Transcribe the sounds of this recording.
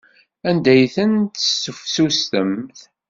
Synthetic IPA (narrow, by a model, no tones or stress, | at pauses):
ænd̪æjθənt̪ə̥sːəfsust̪əmθ